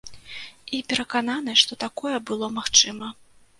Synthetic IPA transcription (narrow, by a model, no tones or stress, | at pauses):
ipʲɛɾɐkananɐʂt̪ɔt̪akɔjɛbɨlˠɔmaxt͡ʂɨmɐ